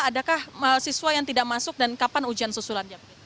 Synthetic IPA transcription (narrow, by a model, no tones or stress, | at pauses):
adakahəsisuajaŋt̪idaʔmasʊk̚dankapanud͡ʒansusulanjiab